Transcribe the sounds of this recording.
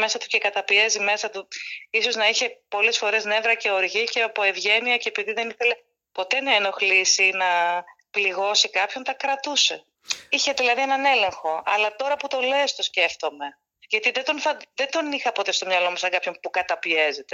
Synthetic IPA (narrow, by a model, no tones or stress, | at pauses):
me̞sɐt̪u̥ce̞kɐt̪ɐpie̞zime̞sɐt̪uiso̞znɐiçe̞po̞le̞sfo̞ɾe̞zne̞vɾɐce̞o̞ɾʝice̞ɐpo̞e̞vʝe̞niɐceːpiðiðe̞niθe̞le̞ | po̞t̪e̞nɐeno̞xlisinɐ | pliɣo̞sikɐpço̞nt̪ɐkɾɐt̪use̞ | içe̞ðilɐðienɐne̞le̞ŋxo̞ɐlɐt̪o̞ɾɐput̪o̞le̞st̪o̞sce̞ft̪o̞me̞ | ʝɐt̪iðed̪o̞nfɐðed̪o̞nixɐpo̞t̪e̞st̪o̞mɲɐlo̞musɐŋɡɐpço̞npukɐt̪ɐpie̞ze̞t̪e̞